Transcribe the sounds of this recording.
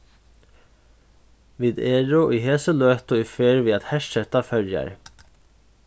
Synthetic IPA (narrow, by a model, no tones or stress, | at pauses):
ʋiːd̪eːɹʊʔiɦeːsəlœːht̪ʊifeːɹviːat̪hɛʂʃɛt̪afœɹja̰ɹ